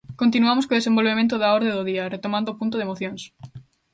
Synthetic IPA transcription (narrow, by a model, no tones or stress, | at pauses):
kont̪̬inuamoskoðesẽmbolβemẽnt̪̬ʊðaɔɾðeðoðiɐret̪omãnd̪opunt̪ʊðemoθjõŋs